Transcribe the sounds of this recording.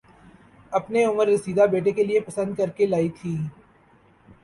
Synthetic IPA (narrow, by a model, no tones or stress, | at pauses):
ɐpneʊməɾːɪsiːd̪abeːʈekeliepɐsə̃nd̪̚kɐɾkelaːit̪ʰiː